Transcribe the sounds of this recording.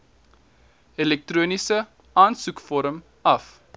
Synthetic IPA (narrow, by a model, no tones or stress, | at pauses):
ɛlɛk̚truːnisə | ɑːnsukfɔɾəm | ɐf